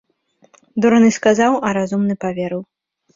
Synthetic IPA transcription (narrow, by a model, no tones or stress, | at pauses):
d̪ɔɾɐnɨskazawʔɐɾazumnɨpavʲɛɾɨw